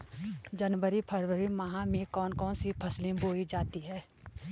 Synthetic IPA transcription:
d͡ʒənwəɾipʰəɾwəɾimaɦãmẽkɔːnkɔːnsipʰəslẽboːid͡ʒaːt̪iɦɛː

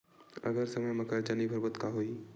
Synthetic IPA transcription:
ɐ̰ɡəɾsɐməjmɐkəɾt͡ʃənibʱəɾbət̪kaɦoi

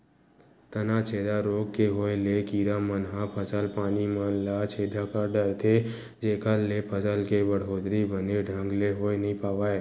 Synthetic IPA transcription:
t̪ənat͡ʃʰeːd̪aɾoːɡ̚keɦoːelekiːɾamənɦapʰəsəlpaːnimə̃nlat͡ʃʰeːd̪ʱakaɖəɾt̪ʰe | d͡ʒeːkəlːepʰəsəlkebəɽ̤ɦoːd̪ɾibəneɖʱə̃ŋɡleɦoːenəɦĩpaːʋaːe

